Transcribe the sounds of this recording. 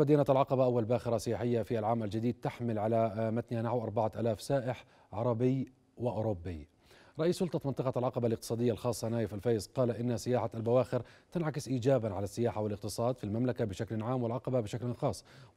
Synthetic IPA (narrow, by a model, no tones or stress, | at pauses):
bad̪iːnat̪alʕɑqɑbaʔawːalbaːxɪɾˤɑsɪjaːħɪjːafiʔalʕaːmald͡ʒɪd̪iːd̪̚t̪aħmɪlʕalamat̪nhanaʕawʔɑɾˤbaʕat̪ʔaːlaːfsaːʔɪħ | ʕɑɾˤɑbɪj | wɪʔʊːɾʊbːi | ɾˤɑʔiːsːʊlt̪ˤɑmɪnt̪ˤɨqɑalʕɑqɑbalɪq̚t̪ɨ̥sˤɑːd̪ɪjːalxɑːsˤːɑnaːjɪfalfajzqɑːlaʔɪnːasɪjaːħaalbawaːxɪɾt̪ɪnʕakɪsʔiːd͡ʒaːbanʕalasːɪjaːħawɪlɪq̚t̪ɨsˤɑːd̪filmamlakabɪʃaklnʕaːmwɪlʕɑqɑbabɪʃaklxɑːsˤː